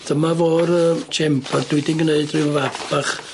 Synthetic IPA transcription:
d̥əmavoːɾəːt͡ʃʰɛmpʰɔrd̥ʊɨdɪnɡneɨdrɪəvabaχ

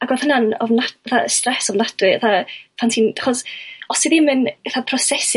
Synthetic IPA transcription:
aɡwɛlˠhənanɔvnatəθastrɛsɔvnad̥wɨɛθapʰantʰiːnaχɔsɔsiðɪmɨnəθapʰrɔsɛs

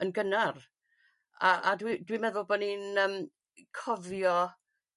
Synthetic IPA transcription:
ənɡənar | aʔadwidwimɛðʊlˠbɔninəːm | kʰɔvjɔ

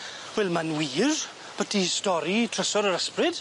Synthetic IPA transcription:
wɛlˠmanwiːr | b̥ətʰistɔɾitʰrəsɔɾəɾəsprɪd̥

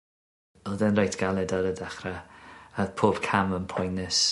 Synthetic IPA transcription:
ɔlˠdɛnrajtʰɡ̥alˠɛdaɾədaχɾaaðpʰoːb̥kʰamənpʰɔjnɛs

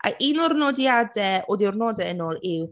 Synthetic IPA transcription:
ʔa̰ʔinɔrnɔdjadɛoːdiʊrnɔdɛənoːlˠɪw

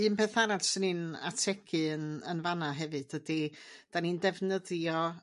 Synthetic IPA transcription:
ɨmpʰɛθaɾadsənina̰tʰɛkʰɨənənvanaɦɛvɨd̥ədid̥anindɛvnəðjɔ

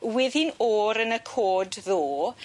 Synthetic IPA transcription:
wɪːðinoːɾənəkʰoːdðoː

